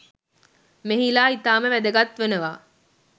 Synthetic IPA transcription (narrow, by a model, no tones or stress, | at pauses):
meɦilaːit̪aːməʋæd̪əɡat̪ʋenəʋaː